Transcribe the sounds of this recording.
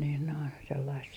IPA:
niːn noin selːɑist

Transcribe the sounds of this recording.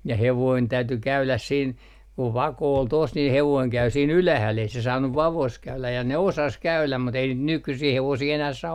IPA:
jɑ heʋoin tæyty kæylæs siːn ku ʋɑko ol tos nin heʋoiŋ kæy siːn ylæhæl ei se sɑːnːuʋ ʋɑʋos kæylæj jɑ ne osɑs kæylæm mut ei niːt nykysiː heʋosiː enæh sɑː

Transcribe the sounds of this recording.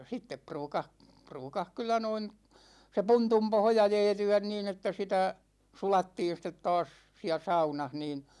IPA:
sitːep pruːkɑh pruːkɑh kylˑæ noin se puntum pohjɑ jɛːtyæn niːn etːæ sitæ sulɑtːiːn̞ stet tɑːs siæ sɑunɑh niːn̞

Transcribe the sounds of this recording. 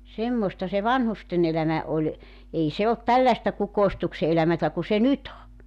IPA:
semːostɑ se ʋɑnhusten elæmæ olʲ ei se olt tælːæĕstæ kukoistukse elæmætæ ku se nyt o

